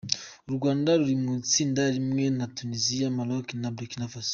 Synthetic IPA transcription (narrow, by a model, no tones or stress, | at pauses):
oɾuɡwaːndaɾuɾimut͡siːndaɾimŋe̞natuniziamalokinabɾikinafas